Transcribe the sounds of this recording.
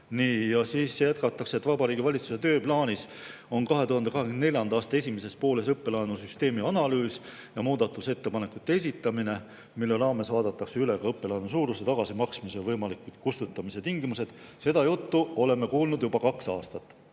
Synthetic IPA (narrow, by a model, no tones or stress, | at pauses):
niːjɑsiːsjæt̪̚kɑt̪ːˑɑkset̪ːˑvɑbɑɾiːɡivɑlʲit̪su̥se̞t̪ø̞ːplɑːnʲis | o̞nkɑɦe̞t̪uɦɑnd̪eɑɦekennelʲjɑnd̪ɑɑːst̪ɑe̞sʲimese̞spo̞ːle̞sɤpːe̞lɑenusyst̪e̞ːmiɑnɑlyːs | jɑmuːd̪̥ɑt̪ːˑuse̞t̪ːe̞pɑne̞kut̪ːˑees̬ʲit̪ːˑɑmine̞ | milːelɑːme̞svɑːd̪ɑt̪ːˑɑkseyle̞ɡ̥ɑɤpːe̞lɑenus̬uːɾuset̪ɑɡ̥ɑsimɑksmisevɤjmɑlikːud̪kust̪ut̪ˑːɑmise̞t̪iŋɡimuse̞d̪̥se̞d̪̥ɑjut̪ːuo̞le̞me̞kuːlnud̪̥jubɑkɑksɑːst̪ɑt̪ːˑ